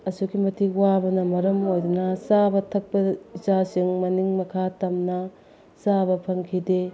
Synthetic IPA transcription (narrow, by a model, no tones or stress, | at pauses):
ɐsukimɐtʰiwabɐnɐmɐɾɐmojdunɐsabɐtʰɐk̚pɐizasiŋmɐniŋmɐkʰatɐmnɐ | sabɐpʰɐŋkʰide